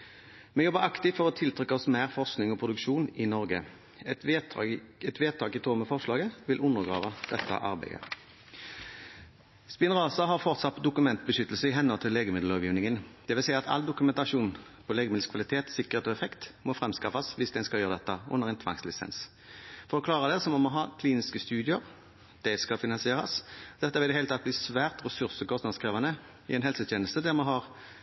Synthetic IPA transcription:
mɛjɔbːəʁɑkt̪ɪt̪fɔʁɔt̪ʰɪlt̪ʰʁʏkːəɔsmæːʁfɔʁsknɪŋɔpʰʁʊd̪ʉkʃuːnɪnɔʁɡə̰ | ɛ | ɛt̪ʋeːd̪̚t̪ʰɑːkɪt̪ʰoːməfɔʁʂlɑːɡəʋɪlʔʊnːəʁɡʁɑ̰ːʋəd̪̥ɛt̪ːə̰ʔɑ̰ʁbæ̰ɪə̰ | spɪnʁɑːsɑɦɑʁfɔʁt̪sɑt̪d̪ʊkʉmɛnt̪̚bəʃʏt̪ːl̩səɪɦɛnhɔlt̪ʰɪleːɡəmɪd̪l̩ɑːʋjiːʋnɪŋənd̪̥ɛʋɪlsæɪɑt̪ɑ̰ld̪ʊkʉmɛnt̪ɑʂuːn | pʰɔleːɡəmd̪l̩skʰʋɑlɪt̪ʰeːt̪sɪkəʁheːt̪ɔːɛfɛkt̪mɔfʁɛmskɑfɑsʋɪsd̪ɛɪnskɑljøːʁəd̪ɛt̪ːəʔʊ̰nːəʁɛnt̪ʰʋɑ̰ŋslɪsɛ̰ns | fɔɾʁɔkʰlɑːʁəd̪ɛsɔmɔmɔɦɑːkʰliːnɪskəst̪ʉːd̪ɪəʁ | d̪̥ɛskɑfɪnɑnsɪeːʁɑ̰sd̪ɛt̪ːɑʋɪld̪ɛhelt̪ɑt̪̚bliːsʋæːʁt̪ʁɛsʉʁsəkʰɔst̪nɑd̪skʁeːʋɑnə | ɪ̰ɛɪnɦɛlsət̪ʰeːnəl̩st̪əd̪æʁmɛɦɑʁ

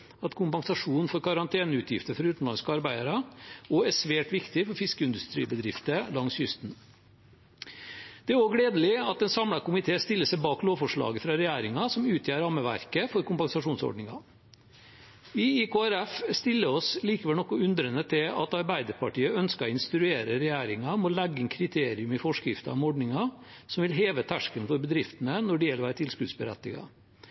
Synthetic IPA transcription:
ɑt̪kʰʊmpɑŋsɑʂuːnn̩fɔɾkʰɑɾɑnt̪ʰeːnəʉːt̪ʰjɪft̪əɾfɔɾʉːt̪n̩lɑnskɑɾbæɪd̪əɾəoæsʋeːʈʋɪkt̪ɪfɔɾfɪskəɪnd̪ʉst̪ɾḭːbəd̪ɾɪft̪əlɑŋsjʏst̪n | d̪̥ɛæɾoːɡleːd̪əlɪɑt̪ɛnsɑmlɑkʊmɪt̪ʰeːst̪ɪlːəsɛɪbɑːkloːfɔʂɭɑ̰ːɡəfɾɑɾɛjæːɾɪŋɑsɔmʉːt̪ʰjæːɾɑːməʋæ̰ɾkəfɔɾkʊmpɑŋsɑʂuːnsɔ̰ɖɳɪŋɑ̰ | ʋɪɪkoːæɾɛfst̪ɪlːəɾɔsliːkəʋɛlnɔkːɔʉnd̪ɾənət̪ʰɪlɑ̰t̪ɑɾbæɪd̪əɾpʰɑʈiːəœnskɑɾɔɪnst̪ɾʉeːɾəɾɛjæːɾɪŋɑmɔlæɡːəɪnkʰɾɪt̪ʰeːɾɪʉmɪfɔʂkɾɪft̪əɑmɔɖɳɪŋɑ | sɔmʋɪlɦeːʋət̪ʰæʂkənfɔɾbəd̪ɾɪft̪ənənɔɖɪjɛlʋæːɾət̪ʰɪlskʉd̪sbəɾɛ̰t̪ːɪɡɑ̰

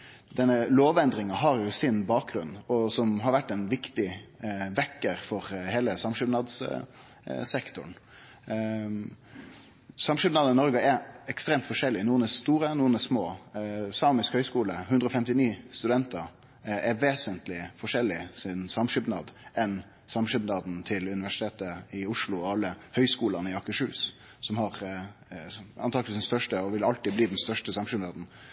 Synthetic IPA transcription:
d̪ɛnːəloːʋɛnd̪ɾɪŋɑɦɑɾjʊsɪnbɑːk̚ɡɾʉ̰nːɔsɔmɦɑɾʋæʈːɛnʋɪkt̪ɪʋɛkːəɾfɔɾheːləsɑmʂʏbnɑd̪s | sɛkt̪ʊɳ | sɑmʂʏbnɑːd̪ɑnɪnɔɾɡəɛɾɛkst̪ɾeːmt̪fɔʂɛlːɪnuːənɛst̪uːɾənuːənɛsmoːsɑːmɪskhœʏskuːləhʉnd̪ɾɔfɛmt̪ɪniːst̪ʉd̪ɛnt̪əɾ | ɛɾʋeːsənt̪lɪfɔʂɛlːɪsɪnsɑmʂʏbnɑ̰ːd̪ʔɛn | sɑmʂʏbnɑːd̪n̩t̪ʰɪlʉnɪʋæʂɪt̪ʰeːt̪əɪʊʂɭʊɔɑlːəhœʏskuːlɑnɪɑkːəʂʉːs | sɔmhɑɾ | ɑ̰nt̪ɑːɡəisd̪ɛst̪œʂʈəɔʋɪlɑlt̪ɪbliːd̪ɛnst̪œʂʈəsɑmʃʏbnɑːd̪n̩

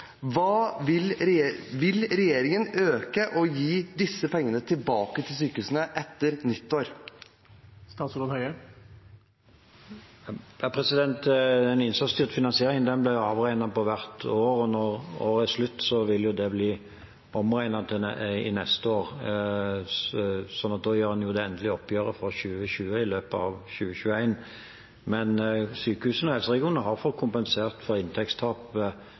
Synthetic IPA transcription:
ʋɑːʋɪlʋɪlɾɛjeːɾɪŋənøːkəʔɔjiːd̪ɪsːəpʰɛŋːənət̪ʰɪlbɑːkət̪ʰɪlsyːkəʉːsnəʔɛt̪ːəɾnʏt̪ːoːɾ | st̪ɑːt̪sɾoːd̪hœʏə | æpʰʁɛsɪd̪ɛnt̪ɛnɪnsɑst̪yːʁt̪fɪnɑnsɪeːʁɪŋd̪ɛnblæɑːʋʁæɪnɑpɔʋæʁt̪oːʁɔnɔʁo̰ːɾəslʉt̪ːsɔʋɪljʊd̪ɛbliː | ɔmʁæɪnɑt̪ʰɪɪ̰nɛst̪əoːɾ | sɔnɑt̪̚d̪oːjøːɾhɑnjʊd̪ɛɛnd̪əlɪɔpʰːjøːɾəfɔɕʉːəɕʉːəɪløːpəɑʋɕʉːəɕʉːəæɪn | mɛnsyːkəhʉːsənɔhɛlsəʁɛɡɪuːnəɦɑʁfɔt̪̚kʰʊmpɛnseːʁt̪fɔɾɪnt̪ʰɛkst̪ʰɑːp

